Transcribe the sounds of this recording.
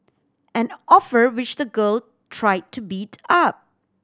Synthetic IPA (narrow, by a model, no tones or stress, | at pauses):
ɛ̃nɔfəɹwɪt͡ʃdəɡəl | tʰɹaɪd̚tʰubitʰap̚